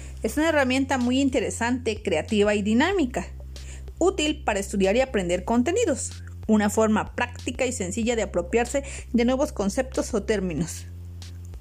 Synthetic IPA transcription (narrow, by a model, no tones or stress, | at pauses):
e̞sunae̞ramje̞nt̪amujint̪e̞ɾe̞sant̪e̞kɾe̞at̪iβaiðinamika | ut̪ilpaɾaest̪uðjaɾiapɾe̞nd̪e̞ɾko̞nt̪e̞niðo̞s | unafo̞ɾmapɾakt̪ikaise̞nsiʝaðeapɾo̞pjaɾse̞ | ðe̞nwe̞βo̞sko̞nse̞p̚t̪o̞sot̪e̞ɾmĩno̞s